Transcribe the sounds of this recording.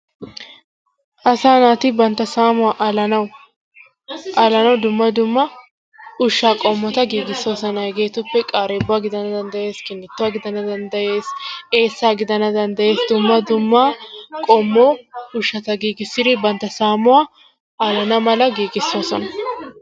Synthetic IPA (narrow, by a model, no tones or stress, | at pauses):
ʔɐsaːnaːt̪ɪbɐnt̪ːɐsaːmʊwaʔɐlɐnɐw | ʔaːlɐnɐwd̪ʊmːɐd̪ʊmːɐ | ʊʃːaːkʼɔmːɔt̪ɐɡiːɡɪsːo̞ːsɔnɐhɛɡe̞ːt̪ʊpːɛkʼaːɾeːbʊwaːɡɪd̪ɐnɐd̪ɐnd̪ɐje̞ːskɪnːɪt̪ːʊwaːɡɪd̪ɐnɐd̪ɐnd̪ɐjeːse̞ːsːaːɡɪd̪ɐnɐd̪ɐnd̪ɐje̞ːsd̪ʊmːɐd̪ʊmːaːkʼɔmːoːʊʃːɐt̪ɐɡiːɡɪsːɪd̪ɪbɐnt̪ːɐsaːmʊwa | aːlɐnɐmɐlɐɡiːɡɪsːo̞ːsɔnɐ